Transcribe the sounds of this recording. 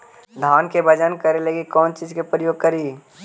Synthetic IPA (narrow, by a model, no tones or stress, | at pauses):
d̪ʱaːnkebəd͡ʒənkəɾeleɡikɔːnt͡ʃiːzkepɾəjoːɡ̚kəɾiː